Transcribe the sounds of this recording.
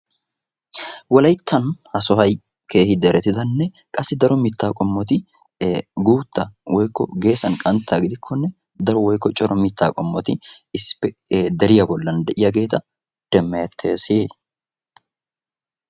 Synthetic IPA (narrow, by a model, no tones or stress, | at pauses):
wɔlɐjt̪ːɐnhɐsɔɦɐj | ke̞ːhɪd̪ɛɾɛt̪ɪd̪ɐnːɛ | kʼɐsːɪd̪ɐɾɔmɪt̪ːaːkʼɔmːɔt̪ɪ | ɡuːt̪ːɐwɔjkːɔ̰ɡe̞ːsɐnkʼɐnt̪ːaːɡɪd̪ɪkʰːɔnːɛ | d̪ɐɾɔwɔjkːɔt͡ʃʼɔɾɔmɪt̪ːaːkʼɔmːɔt̪ɪ | ɪsːpːɛd̪ɛɾɪjɐbɔlːɐnd̪ɛʔɪjɐɡe̞ːt̪ɐ | d̪̥ɛmːɛjɐt̪ʰːe̞ːsiː